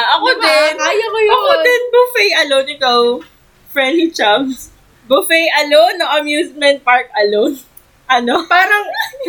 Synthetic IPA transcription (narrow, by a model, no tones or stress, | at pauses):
ʔɐkod̪ɛnjɐjɐkod̪ɪnbʊfɛjʔɐlonɪt̪ow | fɹɛnd̪lit͡ʃabs | bʊfɛjʔɐlonːɐŋɐmjuːsmɛnt̪̚paɹk̚ɐlon | ʔɐnopaːɾɐŋ